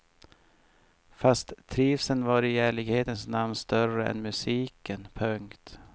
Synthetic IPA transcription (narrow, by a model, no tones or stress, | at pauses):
fast̪ʰːɾiːfsənvaɾɪæːɭɪɡheːt̪ənsnamnst̪œrəɛ̰nmɵsiːkənpʰœŋkt̪